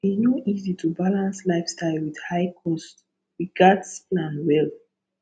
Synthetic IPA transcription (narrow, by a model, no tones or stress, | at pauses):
iznoʔizitʰubalãnslaɪfstaɪlwidhaɪkʰɔst | ɹiɡadsplãnwɛl